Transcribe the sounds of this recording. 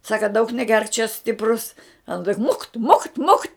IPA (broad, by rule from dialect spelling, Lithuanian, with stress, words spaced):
ˈsɑːkɐ dɐʊk nʲɛˈɡʲɛrk t͡ʃʲɛ ˈsʲtʲɪprʊs ˈɑːnɐ tʲɪk mʊkt mʊkt mʊktʲ